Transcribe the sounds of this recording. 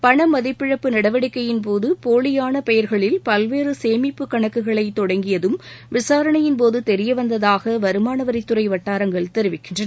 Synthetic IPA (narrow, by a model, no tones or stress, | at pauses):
pɐɳɐmɐðɪpːɪɻɐpːɯnɐɽɐʋɐɽɪkːɐjɪnp̬oːðɯpoːɭɪjaːnɐpɛjɐɾɣɐɭɪlpɐlʋeːrɯseːmɪpːɯkːɐɳɐkːɯɣɐɭɐɪt̪ːɔɽɐŋɡɪjɐðɯmʋɪsaːɾɐɳɐjɪnpoːðɯt̪ɛɾɪjɐʋɐnd̪ɐðaːɣɐʋɐɾɯmaːnɐʋɐɾɪt̪ːʊɾɐɪʋɐʈːaːɾɐŋɡɐɭt̪ɛɾɪʋɪkːɪndrɐ